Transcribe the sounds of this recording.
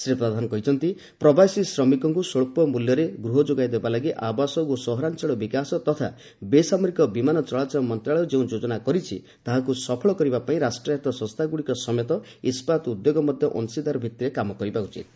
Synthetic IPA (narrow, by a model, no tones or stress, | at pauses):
sɾepɾɔd̪ʱanɔkɔɦit͡ʃʰɔnt̪i | pɾɔbasisɾɔmikɔŋkusoɭpɔmuljɔɾeɡɾuɦɔd͡ʒoɡajd̪ebalaɡiʔabasɔosɔɦɔɾant͡ʃeɭɔbikasɔt̪ɔt̪ʰa̰ | besamɔɾikɔbimanɔt͡ʃɔɭat͡ʃɔɔmɔnt̪ɾaɭɔd͡ʒeũd͡ʒod͡ʒɔnakɔɾit͡ʃʰḭ | t̪aɦakusɔpʰɔɭɔkɔɾibapaĩɾasʈɾɔat̪ɔsɔ̃st̪ʰaɡuɽikɔsɔmet̪ɔ | ispat̪ud̪joɡɔmɔd̪ʱjɔʔɔnsid̪aɾɔbʱit̪ːiɾekamɔkɔɾibaut͡ʃʰḭt̪